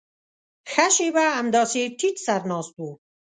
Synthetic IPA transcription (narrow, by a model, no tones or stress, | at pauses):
xaʃibaːmd̪ɑːsiʈʰitsaɾnɑːsb̪̚uː